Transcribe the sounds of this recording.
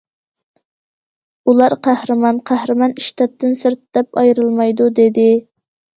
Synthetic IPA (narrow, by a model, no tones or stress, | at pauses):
ulˠɑɾqʰæhɾɨmɑnqʰæhɾɨmɑniʃt̪ʰɛt̪̚t̪ːɪnsɨɾt̪d̪ɛpɑjɾɨlˠmɑjd̪ud̪ed̪ɪ